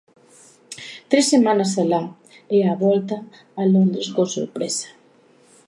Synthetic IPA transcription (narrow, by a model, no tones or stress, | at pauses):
t̪ɾesːemãnasala | eaβɔlt̪aː | lond̪ɾeskoso̰ɾpɾesḁ